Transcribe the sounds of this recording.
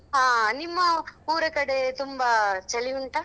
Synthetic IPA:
ɦaːnimːɐuːɾɐkɐɽet̪umbɐt͡ʃɐliʋuɳʈɐ

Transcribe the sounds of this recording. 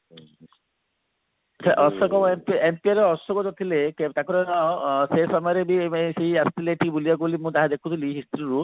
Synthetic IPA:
seʔɔsɔkɔwempiempiaɾeɔsɔɡɔd͡ʒɔt̪ʰileket̪akɔɾenɔsesɔmaɾebieseɦiast̪ʰileeʈʰikbulijakolimũd̪aɦad̪ekʰut̪ʰiliɦist̪ɾiɾu

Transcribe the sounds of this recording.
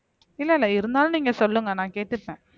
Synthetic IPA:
ɪlːɐɪlːɐɪɾɯnd̪aːlɯ̃niːŋɡɐsɔlːɯŋɡɐnãːkeːʈt̪ːɯʈːẽː

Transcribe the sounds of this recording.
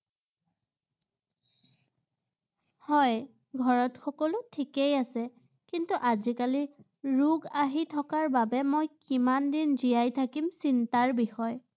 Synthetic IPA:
hɔj | ɡʱɔɹɔtxɔkɔlʊtʰikejasɛ | kintuʔazikali | ɹuɡaɦitʰɔkaɹbabɛmojkimandinzijajtʰakimsintaɹbixɔj

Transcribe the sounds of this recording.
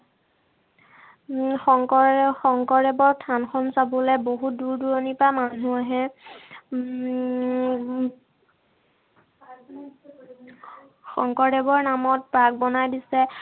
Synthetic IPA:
xɔŋkɔxɔŋkɔɹɛbɔɹtʰanxɔnsabɔlɛboɦut̚duɹduɹɔnipamanuaɦɛ | xɔŋkɔɹdɛbɔɹnamɔt̚pɹak̚bɔnajdisɛ

